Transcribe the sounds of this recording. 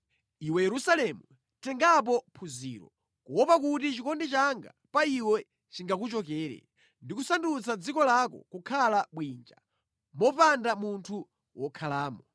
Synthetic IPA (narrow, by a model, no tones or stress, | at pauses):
iwɛjɛɾusalɛmu | tɛŋɡap̬ɔpʰuzḭːɾɔ̰ | kuwɔpak̬utit͡ʃikɔndɛt͡ʃaŋɡa̰ | paiwɛ | t͡ʃiŋɡak̬ut͡ʃɔk̬ɛːɾɛ̰ | ndikusandut͡sad͡zikɔlakɔ̰kukʰalaɓwiːnd͡ʒa̰ | mɔpandamuntʰu | wɔkʰalaːmɔ